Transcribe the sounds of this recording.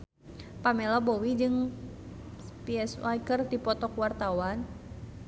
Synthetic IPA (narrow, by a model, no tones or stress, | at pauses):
pamɛlɔbowid͡ʒɨŋ | piɛswajkərdipɔt̪ɔkuwart̪awan